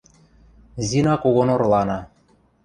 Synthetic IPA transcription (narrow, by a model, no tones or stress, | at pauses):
zʲinɑkoɣonorlˠɑnɑ